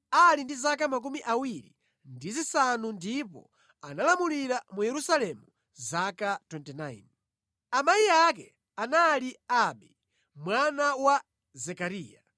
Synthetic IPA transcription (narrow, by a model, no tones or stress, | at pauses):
alindizakamak̬umiʔawiɾḭ | ndizisanundipɔ̰ | analamuliɾamujɛɾusalɛmu | zakatwɛntɛnaḭn | amajiak̬ɛ | analiaɓi | mwanawa | zɛkaɾiːja